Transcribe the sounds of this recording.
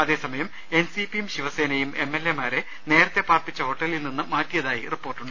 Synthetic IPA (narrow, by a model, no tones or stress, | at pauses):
ɐðe̞ːsɐmɐjɐm | e̞nsipijumɕiʋɐse̞ːnɐjume̞mːelːemaːɾe | ne̞ːɾɐt̪ːe̞paːrpit͡ɕːɐho̞ʈːɐlilninːɨmaːtːijɐðaːjiripːo̞ːrʈːuɳɖɨ